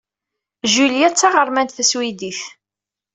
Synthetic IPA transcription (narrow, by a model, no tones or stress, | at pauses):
ʒuljæt͡sːɑʁəɾˤmænt̪θæswid̪iθ